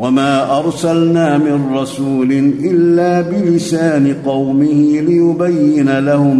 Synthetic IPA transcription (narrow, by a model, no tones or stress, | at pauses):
wamaːʔɑɾˤsalnaːmɪnɾˤɑsuːlɪnʔɪlːaːbɪlɪsaːnɪqɑwmɪhɪlɪjʊbajːɪnalahʊm